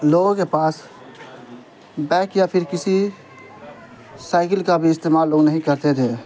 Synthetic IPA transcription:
loɡõkepaːs | bɛ̃ːkjapʰɪɾkɪsi | saːɪkəlkabʱiɪst̪eːmaːlːoːɡnəɦĩkəɾt̪et̪ʰe

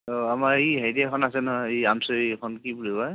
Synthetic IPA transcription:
ɔamaɹiɦajdɛkʰɔnasɛnɔɦɔjiamsɔikʰɔnkipuɹibɔj

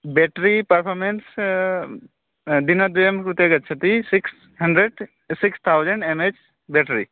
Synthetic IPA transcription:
bɛʈɾipɐɾpʰɔɾmens | d̪inɐd̪uemkɾut̪jaɡət̚t͡ʃʰət̪isiks | həɳɖɾeɖ | sikst̪ʰawd͡ʒəɳɖemet͡ʃ | bɛʈɾi

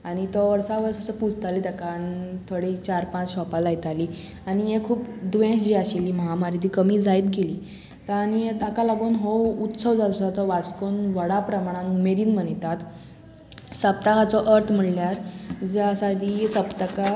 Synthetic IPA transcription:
aɽ̃it̪ɔʋəɾsaʋəɾsəsəpud͡zʱt̪aliːt̪akant̪ʰoɽiːt͡ɕaɾpãt͡sɕɔpalajt̪aliː | añijekʰuːpd̪ʋẽsd͡ʑiaɕiliːməɦamaɾit̪iːkəmiːd͡zait̪̚ɡeliː | t̪añiet̪akalaɡuːnɦout̪səʋd͡zasat̪ɔʋat͡skonʋəɽapɾəmaɽ̃ãnumeɾiːnm̤ənt̪at̪ | səp̚t̪akat͡sɔʔəɾt̪ʰm̤əɽljaɾd͡zeasad̪isəpt̪aka

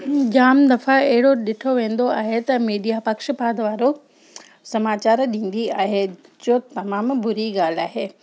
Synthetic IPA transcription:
d͡ʑaːmd̪ɐfaɐɦɪɽoɗɪʈʰoʋẽːn̆d̪oaːɦet̪ɐmiːɖijapɐkʃpaːd̪ʋaːɾo | sɐmaːt͡ɕaːɾɗĩːn̆d̪iaːɦed͡ʑoːt̪ɐmaːmbʊɾiɡaːl̤aːɦeː

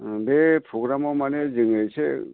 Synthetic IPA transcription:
bepʰoɡɾamɔmanezɯŋɯjse

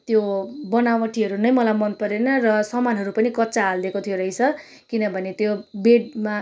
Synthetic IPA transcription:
t̪jobʌnawmʌʈʰiɦʌɾunʌjmʌlajmʌnpʌɾenʌrʌsʌmanɦʌɾupʌnikʌtːt͡saːld̪ekot̪ʰijoɾʌjt͡sʰʌ | kinʌbʱʌnet̪jobeɽma

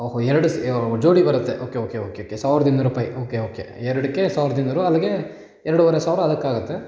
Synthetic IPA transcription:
oːɦoɛɾɐɽusd͡ʒoːɽibɐɾut̪ːeʔoːke̞oːkeoːkeoːkesaːʋɾɐd̪ind̪ɐɾuːpaːjiʔoːkeoːkḛɛɾɐɽikːesaːʋɾɐd̪ind̪ɐɾuɐlːɐɡe̞ | ɛɾɐɽuʋɐɾesaːʋɾɐɐd̪ɐkːaːɡut̪ːe̞

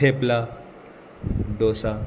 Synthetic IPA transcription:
epla | d̪osa

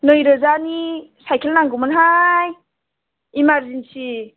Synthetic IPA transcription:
nɯjɾəzanisajkʰelnaŋɡumɯnɦajː | maɾzinsi

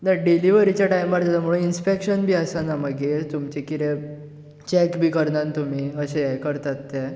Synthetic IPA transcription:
naɖiliʋəɾit͡ɕjaʈajmʋaɾalam̤uɭũninspekɕənbʱiːəsanaməɡeɾt̪umt͡ɕekiɾe | t͡ɕɛkbʱiːkəɾnant̪umiːəɕẽekəɾt̪at̪ːe

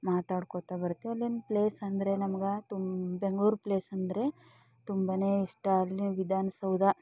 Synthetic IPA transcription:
maːt̪aːɽkot̪abɐɾut̪ːeɐlːenpleːsɐnd̪ɐɾe̞nɐmɐɡɐt̪umbeŋɡɭuːɾpleːsɐnd̪ɐɾe̞ | t̪umbɐne̞ːiʂʈɐlːiʋid̪ʱaːnɐsɐwd̪ɐ

